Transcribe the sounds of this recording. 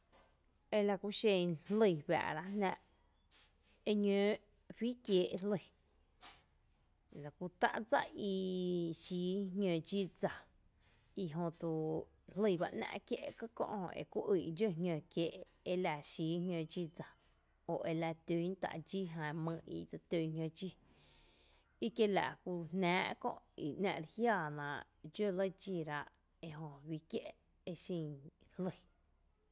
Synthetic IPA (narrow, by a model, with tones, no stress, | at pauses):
e˧la˧ku˧ʃẽ˧nhlə˧jwja̰˨ʔɾa˧nãː˧ʔ | e˧ɲõ˨˦˨ | ɸiː˦kjeː˨˦ʔlə˧˨ | la˨ku˧t̪a̰˦ʔd͡za̰˦ʔi˧ʃiː˨˦ɦɲõ˧˨d͡ʒi˦d͡za˨ | i˧ɦõ˧t̪u˧ | hlə˦˧˨ba˧ʔnã̰˧ʔkje˦˧ʔkə˦kõ̰˧ʔhõ̰˧ḛ˨ku˦ʔɨ˧˨ʔd͡ʒo˦˧ɦɲʲõ˧˨kjeː˧˨ʔ | e˧la˧˨ʃiː˨˦hɲʲjõ˧d͡ʒi˦˧d͡za˨ | o˨ʔe˧la˧t̪u˨˦n˦t̪a̰˧˨ʔd͡ʒi˦ɦã˧mə̃˧ḭ˧t̪ə˧t̪o˧˨ɲɲõ˧d͡ʒi˦ | i˦kje˦la̰˨ʔku˧nnæ̃ː˨˦ʔkõ̰˧ʔḭ˨ʔnã̰˧ʔɾhjaː˦˧˨nã˨ʔ | d͡ʒo˦lə˦d͡ʒi˧ɾa˧ʔ | e˧ɦõ˧wi˧kje˦ʔ | e˧ʃĩ˧˨hlə˧˨